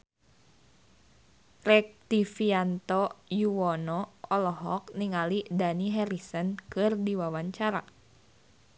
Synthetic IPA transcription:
rɛk̚t̪ifiant̪ɔjuwɔnɔɔlɔɦɔk̚niŋalidaniɦɛɾisənkɨrdiwawaɲt͡ʃaɾa̰

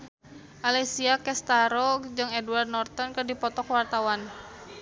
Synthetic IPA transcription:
ʔalɛsiakɛst̪aɾɔkd͡ʒɨŋɛduward̪̚nɔrt̪ɔnkɨrdipɔt̪ɔkwart̪awan

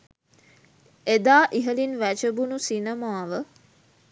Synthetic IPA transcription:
ed̪aːʔiɦəlinʋæt͡ʃəbunusinəmaːʋə

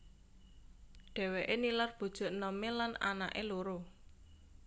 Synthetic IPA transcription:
ɖ̥ɛ̤weʔenilarb̥o̤d̥ʒ̥ʊ̤ʔnəmelana̰na̰ʔeloɾo

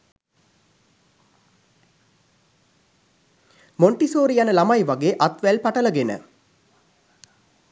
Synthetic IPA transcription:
moɳʈisoːɾijanəlamajʋaɡeːʔat̪ʋælpaʈələɡenə̰

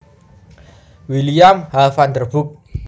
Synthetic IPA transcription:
wilijamhalfand̪ərb̥ʊk̚

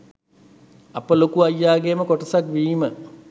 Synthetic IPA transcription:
ɐpəlokuajːaːɡeːməkoʈɐsakʋiːmə

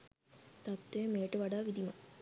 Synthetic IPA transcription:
t̪at̪ːemeːʈəʋaɖaːʋid̪imɐ

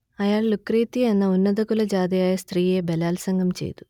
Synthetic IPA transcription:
ɐjaːɭlukriːt̪ːienːɐunːɐðɐkulɐd͡ʑaːd̪ijaːjɐst̪riːe̞belaːlsɐŋɡɐmt͡ɕe̞̰jt̪u̥

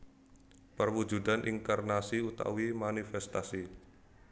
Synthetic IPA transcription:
pərwu̥d͡ʒṳd̪anʔḭŋkarnasiut̪a̰wimanifɛst̪asi

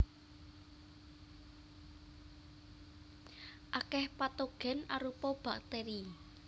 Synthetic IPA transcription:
ʔakɛhpat̪oɡ̥ɛ̤naɾupɔb̥a̤k̚t̪eɾi

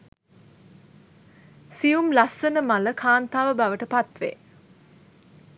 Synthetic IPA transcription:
siumlasːənəmaləkʰaːnt̪aːʋəbaʋəʈəpat̪ʋḛ

